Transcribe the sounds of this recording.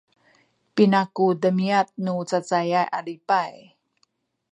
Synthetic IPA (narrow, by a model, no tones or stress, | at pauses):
pinakudəmiat̪̚nut͡sat͡sajajʔalipaj